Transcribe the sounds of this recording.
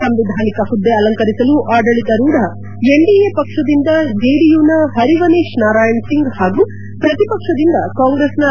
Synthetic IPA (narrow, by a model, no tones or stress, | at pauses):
ɐmɾid̪ʱaːnikɐhud̪ːeɐlɐŋkɐɾisɐluʔaːɖɐɭit̪ɐɾuːɽɐ | eɳɖiepɐkʂɐd̪ind̪ɐd͡ʒeːɖijuːnɐɦɐɾiʋɐneːʂnaːɾaːjɐnsiŋɡhaːɡuː | pɾɐt̪ipɐkʂɐd̪ind̪ɐkaːŋɡɾeːsnɐ